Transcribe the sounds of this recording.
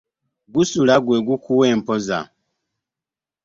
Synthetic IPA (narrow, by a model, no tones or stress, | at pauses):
ɡusulaɡweɡukuweːmpoza̰